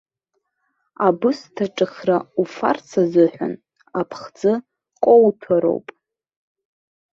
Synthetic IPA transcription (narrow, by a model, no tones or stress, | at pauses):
abɨstʰaʈ͡ʂʼɨχraufa̰rt͡sʰazɨħʷᶣa̰n | apʰχd͡zɨ | qʷʼowtʰaɾo̞̰wpʼ